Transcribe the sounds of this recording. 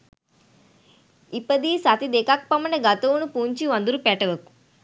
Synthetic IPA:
ipɐd̪iːsat̪id̪eːkaːk̚pɐmɐɳɐɡɐt̪ɐwunupuːɲt͡ʃiʋɐnd̪uɾupɛʈɐʋɐku̥

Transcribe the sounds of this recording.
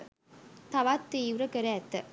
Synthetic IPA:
t̪aʋat̪ːiːʋuɾəkəɾəæt̪ːə

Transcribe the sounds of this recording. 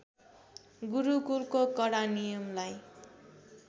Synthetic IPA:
ɡuɾukulkokʌɽanijʌmlaj

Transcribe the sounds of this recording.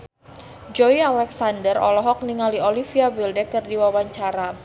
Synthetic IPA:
d͡ʒɔialɛksandərɔ̰lɔɦɔk̚niŋaliolifiabildɛkərdiwawaɲt͡ʃaɾa

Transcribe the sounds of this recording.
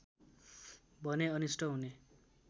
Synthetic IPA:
bʱʌneʌnisʈʰʌɦune

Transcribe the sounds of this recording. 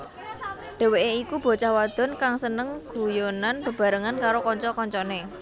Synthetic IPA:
ɖ̥e̤weʔeikub̥ɔ̤t͡ʃahwad̪̥ɔ̤nkaŋsənəŋɡ̥ṳjonanb̥ə̤b̥a̤ɾəŋankaɾokɔɲt͡ʃɔkɔɲt͡ʃɔne

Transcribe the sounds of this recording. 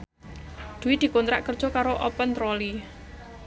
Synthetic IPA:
d̪̥ṳwid̪̥i̤kont̪ɾa̰ʔkərd̥ʒ̥ɔ̤kaɾoʔɔpənt̪ɾɔli

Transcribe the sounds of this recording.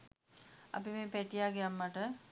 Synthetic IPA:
a̰pimeːpæʈijaːɡejamːaʈə

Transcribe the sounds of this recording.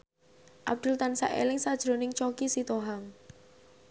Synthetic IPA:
ʔa̰b̚d̪̥ʊ̤lt̪ansa̰ʔḛlɪŋsad̥ʒ̥ɾonɪŋt͡ʃokisit̪oɦaŋ

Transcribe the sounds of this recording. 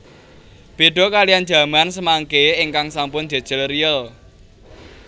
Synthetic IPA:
b̥e̤ɖ̥ɔ̤kalijan̥d͡ʒä̤mansəmaŋkeɪŋkaŋsampʊnd̪̥e̤̥ʒ̥əlriəl

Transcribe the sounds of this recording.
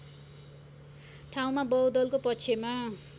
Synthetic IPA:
ʈʰaw̃mabʌwd̪ʌlkopʌtːt͡sʰema

